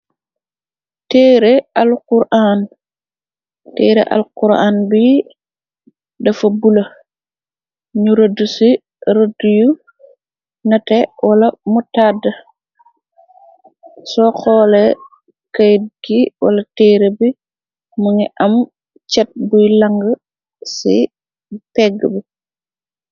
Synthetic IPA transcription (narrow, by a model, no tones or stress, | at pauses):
teːɾealkuɾʔaːn | tɛːɾḛʔa̰lkuɾa̰ːnbi | dɐfɐbulɐ | ɲuɾodusi | ɾoduju | nɐtɛwɐlɐmutadɐ | sɔxɔːlɛ | kajd̚ɡiwɐ̰lɐtiːɾebi | muŋiʔɐm | t͡ʃɛt̚bujlaŋɡɐ | sḭ | pɛɡəbi